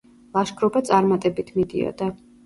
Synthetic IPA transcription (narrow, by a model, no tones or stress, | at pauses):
lˠaʃkʰɾɔbat̪sʼaɾmat̪ʼɛbit̪ʰmid̪ḭɔ̰d̪a